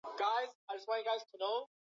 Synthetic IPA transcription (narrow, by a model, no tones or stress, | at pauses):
ɡ̥aɪz̥aɪd͡ʒʌswɑ̃njɡaɪz̥tʰənoʊ